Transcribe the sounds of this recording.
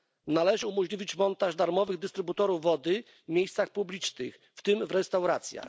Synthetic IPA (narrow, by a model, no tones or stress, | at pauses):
nalɛʐɘumɔʑlʲivʲit͡ɕmɔnt̪aʐd̪aɾmɔvɘɣd̪ɘst̪ɾɘbut̪ɔɾuvːɔd̪ɘ | mʲejst̪saxpublʲit͡ʂnɘx | ft̪ɘmvɾɛst̪awɾat̪sʲja̰x